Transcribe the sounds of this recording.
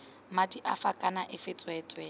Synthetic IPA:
matʼiʔafakʼanaʔɪfɪt͡sʼwɛːt͡sʼwɛ

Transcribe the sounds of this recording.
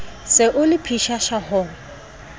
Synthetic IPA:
sɪʔʊlɪpʰiʃaʃahʊŋ̩

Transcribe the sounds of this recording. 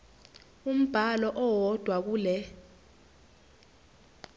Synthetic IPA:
um̩b̥ʱalɔʔɔwɔd̥ʱwak̬uːlɛ

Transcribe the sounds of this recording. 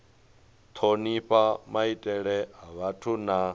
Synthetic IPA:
t̪ʰoniɸamaitʼɛɺɛɦaβatʰuna

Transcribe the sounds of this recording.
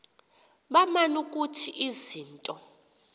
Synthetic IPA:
ɓamanukʼutʰiʔiziːntʼɔ

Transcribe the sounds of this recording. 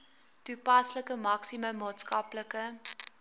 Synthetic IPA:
tupɐsləkəmɐksiməmɑːtskɐpləkə

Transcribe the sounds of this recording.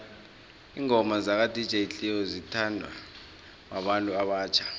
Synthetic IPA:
iːŋɔmazak̬ad̥ʱid̥ʒ̥ʱeɬʼiɔzitʰandʱwa̰ | waɓantʼuaɓaːt͡ʃʰḁ

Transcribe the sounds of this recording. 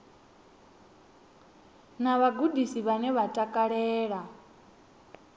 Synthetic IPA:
naβaɡudisiβanɛβatʼakʼaɺɛːɺa

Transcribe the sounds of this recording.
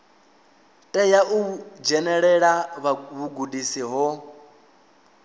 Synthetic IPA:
tʼɛjaʔud͡ʒɛnɛɺɛɺaββuɡudisiɦɔ

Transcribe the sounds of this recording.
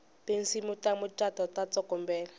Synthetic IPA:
pensimutʼamʊt͡ʃʼatɔtat͡sʼɔkɔmbɛːla

